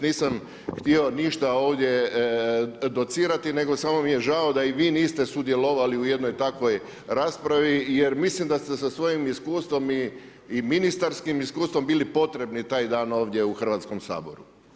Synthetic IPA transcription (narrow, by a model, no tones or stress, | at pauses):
niːsam | xt̪io̞niʃt̪ao̞ːʋd̪je̞ | d̪o̞t̪siːɾat̪ine̞ɡo̞samo̞mijeʒao̞d̪aiʋiːniːst̪e̞sud̪jelo̞ʋaliuje̞d̪nojt̪akʋo̞j | ɾaːspɾaʋijeɾmislimd̪ast̪esasʋo̞jimiskuːst̪ʋo̞mi | iminist̪aɾskimiskuːst̪ʋo̞mbiːlipo̞t̪ɾe̞bnit̪aːjd̪aːno̞ːʋd̪je̞uxr̩ʋaːt̪sko̞msa̰ːbo̞̰ɾu